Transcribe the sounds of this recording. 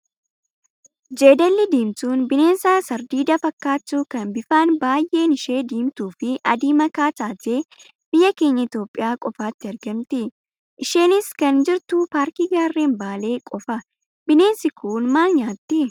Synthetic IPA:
d͡ʒe̞ːd̪ɐlːɪd̪iːmt̪uːnbɪne̞ːnsaːsɐɾd̪iːd̪ɐfɐkːaːt͡ʃːuːkɐnbɪfaːnbaːjʔe̞ːnɪʃe̞ːd̪iːmt̪uːfɪʔɐd̪iːmɐkaːt̪aːt̪e̞ː | b̥ɪjːɐke̞ːɲːɐɪt̪jo̞ːpʼːɪjaːkʼɔfaːt̪ːɪɐɾɡɐmt̪ɪ | ʔɪʃe̞ːnɪskɐnd͡ʒɪɾt̪upaːɾkiɡaːrːeːnbaːle̞ːkʼɔfɐ | bɪne̞ːnsɪkʰuːnmaːnɲaːt̪ːɪ

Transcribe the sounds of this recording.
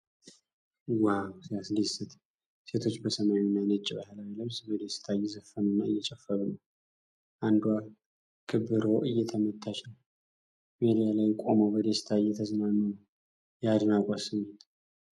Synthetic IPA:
wawsɨjaslisɨt̪ | se̞t̪ʰo̞t͡ʃːbəsəmawinːajnɨt͡ʃʼːibahəlawiləβsbəd̪est̪ʰaɨjːɛzəfːənɨnːaɨ̰jːɛt͡ʃʼɛfːəβnəw | ʔand̪wa | kʰɨβɨɾo̞ʔɨjːɛt̪ʰəmət̪ʰːat͡ʃnəw | med̪ijalajkʼo̞mowbəd̪est̪ʰaɨjːɛt̪ʰəznanːən | jad̪ɨnakʼasɨmut̪

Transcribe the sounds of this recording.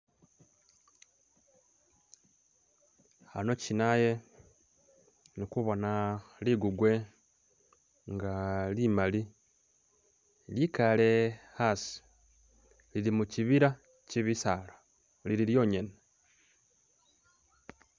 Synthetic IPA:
ha̰no̞cinaje | nikuβo̞naliɡuɡwe̞ | ŋɡalimali | likale̞hasi̥ | lilimuciβiɾa | ciβisalḁ | liɾiɾjo̞ːɲene

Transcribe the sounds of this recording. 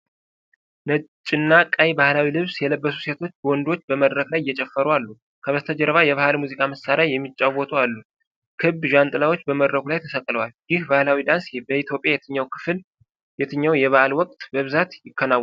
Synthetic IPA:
nət͡ʃʼɪnːakʼajbahlawilɨβsjɛləbːəsuse̞t̪ʰo̞t͡ʃːbəwɔnd̪o̞t͡ʃːbəməd̪ɾəklajːɛt͡ʃʼɛfːəɾualːu | kʰəβət̪ʰəd͡ʒɛɾəβajɛβahalmuzikʼaməsːaɾajːɛmːit͡ʃʼːawɔt̪ʰʼualːu | kʰɨbʒant̪ʼɨlawot͡ʃːbəməd̪ɾəkʰulajt̪ʰəsəkʼːləwaljɪhbahlawid̪ansbəit̪ʰjopʼjajɛt̪ʰɨɲːawkʰɨ̥fl | jɛt̪ʰɨɲːawjɛβahalwɔkʼt̪bəβɨzat̪jɪkːənaw

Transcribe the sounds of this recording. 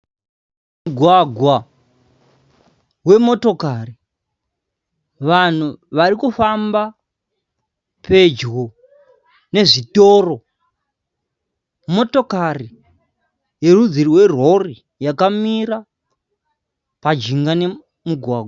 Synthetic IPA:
mmuɡʱwaɡʱwa | we̞mo̞to̞kari | ʋan̤uʋaɾikufamba | pe̞d͡ʒɣo | ne̞ʐitoːro̞ | mo̞to̞kari | je̞rud͡ziriwe̞ro̞ri | jakamiɾa | pad͡ʒiŋɡane̞ | muɡʱwaːɡʱwa

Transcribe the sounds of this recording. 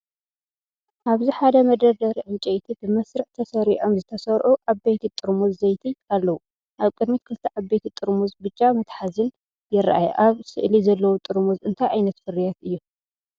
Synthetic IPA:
ʔaβziħad̪ɐmɐd̪ɐd̪ɐɾiʕɨnt͡ʃʼejt̪ʰibɨmɐsɾɨʕt̪ʰɐsɐɾiʔo̞mzɨt̪ʰɐsɐɾʔuʔaβbejt̪ʰit̪ʼɨɾmuzːɐjt̪ʰialːɐwu | ʔaβkʼɨd̪mit̪̚kʰɨlt̪ʰɐʔaβbejt̪ʰit̪ʼɨɾmuzbɨt͡ʃʼːamɐt̪ħazɨn | jɪra̰ʔajɛ̰ʔaβsɨʔlizɐlːɐwut̪ʼɨɾmuzɨnt̪ʰajʕajnɐt̪fɨɾijat̪ɨjːu

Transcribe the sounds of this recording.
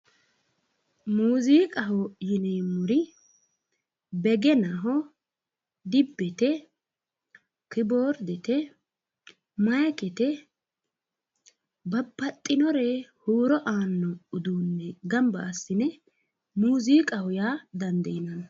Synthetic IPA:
muːziːkʼɐɦɔjɪnɛmʊɾɪ | bɛɡɛnɐɦɔ | d̪ɪbːɛt̪ɛ | kɪboːɾd̪ɛt̪ɛ | mɐjkʼɛt̪ɛ | bɐpːɐt̪ʼːɪnɔɾehuːɾɔʔaːnːɔʊd̪uːnːɛɡɐmbɐːsːɪnɛ | muːziːkʼɐhʊjaːd̪ɐnd̪ɐjɪnɐn

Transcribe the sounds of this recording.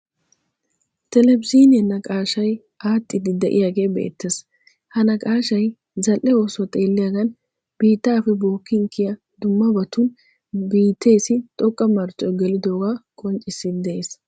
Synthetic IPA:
t̪ɛlɛbziːnɪɐnːɐkʼaːʃɐj | aːt̪ʼːɪd̪ɪd̪ɛʔɪ̰jaːɡe̞ːbḛːt̪ːes | hɐnɐkʼaːʃɐj | zɐlʔːɛoːswɐt̪ʼe̞ːlːɪjaɡɐn | b̥iːt̪ːaːfɛbo̞ːkːɪŋkːɪjɐ | d̪ʊmːɐbɐt̪ʊn | biːt̪ːe̞ːsɪt̪ʼɔkʼːɐmɐɾt͡ʃʼːɔjɡɛlɪd̪oːɡaːkʼɔnt͡ʃʼːɪsːɪd̪ɛʔeːs

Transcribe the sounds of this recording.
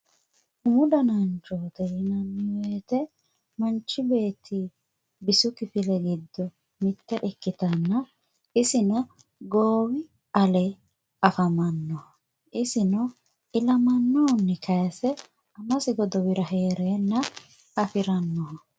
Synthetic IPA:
hʊmʊd̪ɐnɐnt͡ʃoːt̪ɛɪnɐnːɪweːt̪ɛ | mɐnt͡ʃːɪbe̞ːt̪ʰːi | bɪsʊkɪfɪlɛɡɪd̪ːɔ | mɪt̪ːɛʔɪkːɪt̪ɐnːɐ | ɪsɪnɐ | ɡoːwɪ | ʔɐlɛ | ɐfɐmɐnːɔ | ɪsɪnɔ | ɪlɐmɐnːɔːnːɛkʰɐjɐsɛ | ɐmɐsɪɡɔd̪ɔwɪɾɐɦeːɾeːnːɐ | ɐfɪɾɐnːɔ

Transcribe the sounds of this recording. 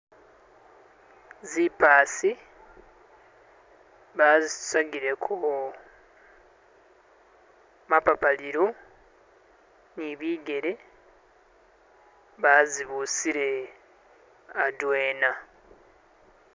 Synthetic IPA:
zipaːsi | βazi̥saɡiɾe̞kʰo | mapapaliɾo | niβiːɡe̞ɾe̞ | βaziβusiɾe̞ | adweːna

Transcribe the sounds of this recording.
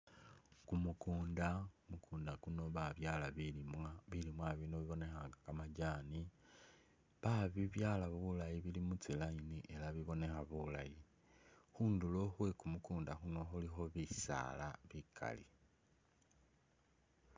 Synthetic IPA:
kumukuːndakumukuːndaɡ̥uno̞βaβjaːlaβimaβilimwaβino̞βiβo̞ne̞xaŋɡakamaɟaːni | βaβiβjaːlaβuβulajiβilimut͡silainiʔe̞laβiβo̞ne̞xaβulaji | xuːndulo̞xwe̞kumukuːndaxuno̞xulixo̞βisa̰laβikʰa̰li

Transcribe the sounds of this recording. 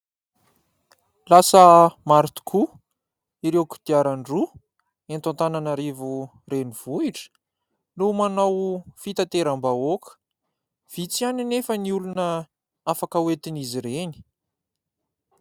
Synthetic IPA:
lasəmaɾit̪u̥kʰu | iɾewku̥d̪̥iaɾaɳɖ͡ʐu | ent̪ãnt̪ananaɾevu | ɾeniv̥uiʈ͡ʂə̥ | numanawfit̪at̪eɾambaokə̥ | v̥it͡sianinefəniulunə | afakəwet̪iniziɾeni̥

